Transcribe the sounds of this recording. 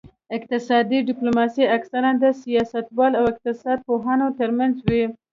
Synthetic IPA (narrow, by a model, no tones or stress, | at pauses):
ɪqt̪ɪsɑd̪iɖɪplomɑsiaksaɾad̪əsijɑsat̪wɑlawɪq̚t̪ɪsɑd̪̚poɦanot̪əɾmanzwi